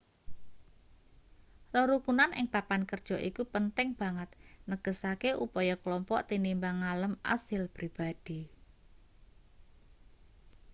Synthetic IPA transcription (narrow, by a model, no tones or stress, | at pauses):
rɔɾukunanɪ̰ŋpapankərd̥ʒ̥ɔ̤ʔikupənt̪ɪŋb̥a̤ŋət̪̚nəɡ̥ə̤sakeʔupɔjɔkəlɔmpɔʔt̪inimbaŋaləmʔa̰sɪlpɾib̥ad̪̥i